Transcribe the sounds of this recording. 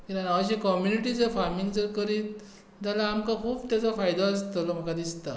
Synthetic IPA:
kinanaʋɕekɔmjuniʈid͡zəɾfaɾmiŋɡd͡zəɾkəɾiːt̪̚ | t̪alaːmkakʰuːbt̪jat͡safajd̪aəst̪əlɔm̤əkad̪ist̪a

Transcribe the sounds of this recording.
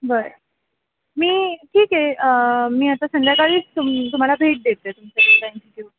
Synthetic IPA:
ʋəɾ | miːʈʰiːkɦeəmiːat̪asənd̪jakaɭiːt͡st̪umt̪um̤alabʱeʈ̚d̪et̪et̪umt͡ɕad̪elaint͡ɕik̪iu

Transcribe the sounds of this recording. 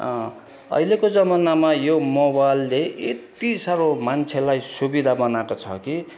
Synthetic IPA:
ʌ̰ilekod͡zʌmʌnamajomobalːeet̪isʌɾomant͡sʰelajsubid̪ʱabʌnakot͡sʰʌ̰ki

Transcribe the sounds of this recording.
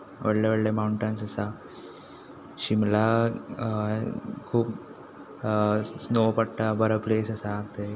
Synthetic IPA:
ʋəɽleʋəɽlemauɳʈənsəsa | ɕimla | kʰuːp | snopəʈʈabəɾəplesəsat̪e

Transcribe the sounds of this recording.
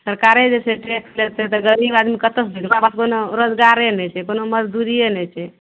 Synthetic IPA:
səɾkaɾed͡ʒeseʈɾeklet̪ɛt̪ɔɡəɾibad̪mikət̪əsbʱekbabaskonoɾod͡ʒɡaɾenɛt͡ʃʰɛkonoməd͡ʒd̪uɾienɛt͡ʃʰɛ

